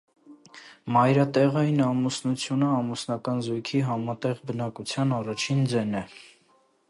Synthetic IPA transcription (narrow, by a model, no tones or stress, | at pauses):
mɑjɾɑt̪ɛʁɑjinɑmusnut͡sʰjunəɑmusnɑkɑnzujkʰiɦɑmɑt̪ɛʁbənɑkut͡sʰjɑnɑrɑt͡ʃʰind͡zɛnɛ